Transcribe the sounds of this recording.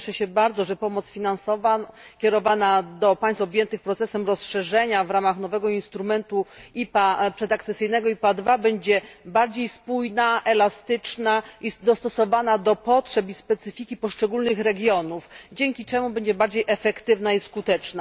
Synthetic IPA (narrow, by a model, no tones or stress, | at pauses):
ʂɛɕɛbaɾd̪zɔʐɛpɔmɔt̪sfʲinansɔva | kʲɛɾɔvanad̪ɔpaj̃st̪fɔbʲjɛnt̪ɘxpɾɔt̪sɛsɛmɾɔsʂɛʐɛɲavɾamaxnɔvɛɡɔinst̪ɾumɛnt̪uipapʂɛd̪akt̪sɛsɘjnɛɡɔipad̪vabɛɲd͡ʑɛbaɾd͡ʑejspujnaʔɛlast̪ɘt͡ʂnaʔid̪ɔst̪ɔsɔvanad̪ɔpɔtʂɛpispɛt̪sɘfʲikʲipɔʂt͡ʂɛɡulnɘxɾɛɡʲjɔnufd͡ʑɛŋkʲit͡ʂɛmubɛɲd͡ʑɛbaɾd͡ʑejʔɛfɛkt̪ɘvnaiskut̪ɛt͡ʂna